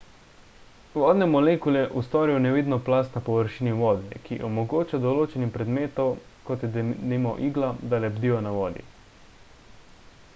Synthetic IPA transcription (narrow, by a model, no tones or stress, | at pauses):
ʋɔːd̪nɛmɔlekuljɛʔust̪ɔːɾiwnɛʋid̪nɔplast̪napɔʋəɾʃiːniʋɔːd̪ɛkiʔɔmɔɡoːt͡ʃad̪ɔloːt͡ʃɛnixpɾɛd̪meːt̪ɔw | kɔt̪jɛd̪imɔʔiːɡlad̪alɛbd̪ijɔnaʋɔːd̪ḭ